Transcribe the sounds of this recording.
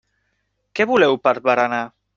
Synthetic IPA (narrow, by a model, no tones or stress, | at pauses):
kɛβulɛwpəɾβəɾana